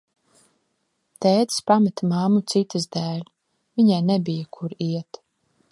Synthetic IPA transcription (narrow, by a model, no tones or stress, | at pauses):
t̪ɛːt̪spamat̪mamut̪sit̪ɨzd̪æːlʲ | vʲiɲajnɛbijakʰuɾiɛt̪